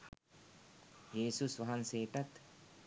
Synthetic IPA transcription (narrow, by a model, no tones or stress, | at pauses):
jeːsusʋɐɦɐnseːʈɐt̪